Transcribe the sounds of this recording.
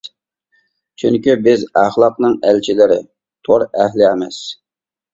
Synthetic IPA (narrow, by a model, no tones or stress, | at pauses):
t͡ʃʰyŋkʲybɪzæχlˠɑqnɨŋælt͡ʃʰilɪɾɪ | t̪ʰoɾæhlɪɛmɛs